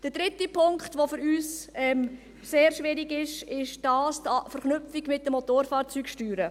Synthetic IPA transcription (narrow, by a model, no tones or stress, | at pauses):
d̥əd̥ɾɪtipʰʊŋkχtʋofʏɾyːsɛm | seːɾʃʋɪɾiɡɪʃɪʃd̥ɑːstɑfəɾχnʏpfiɡmɪt̚dəmot̪oːɾfɑːɾt͡syːkʃtyːɾə